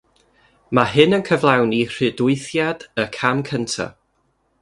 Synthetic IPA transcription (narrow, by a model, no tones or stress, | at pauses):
maɦɨnənkʰəvlˠawnir̥ɨdʊɨθjad̥əkʰamkʰəntʰa̰